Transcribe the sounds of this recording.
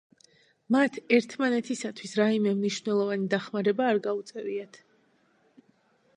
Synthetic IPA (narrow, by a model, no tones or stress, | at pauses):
mat̪ʰɛɾt̪ʰmanɛt̪ʰisat̪ʰwisɾaimɛmniʃv̥nɛlˠɔvanid̪aχmaɾɛbaːɾɡaut̪sʼɛviat̪ʰ